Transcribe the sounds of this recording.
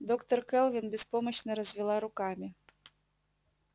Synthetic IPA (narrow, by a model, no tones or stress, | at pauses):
d̪okt̪ərkɛlˠvʲinbʲɪspoməɕnəɾəzʲvʲɪlˠaɾʊkamʲi